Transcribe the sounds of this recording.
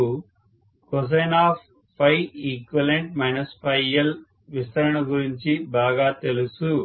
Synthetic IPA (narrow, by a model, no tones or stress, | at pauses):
kɔs̬ɐjnaːp | pʰːɐjikʋɐleɳʈ̚mɐjnɐspɐjɐl | ʋist̪ɐɾɐɳɐɡuɾiɲt͡ʃibaːɡaːt̪e̞lusu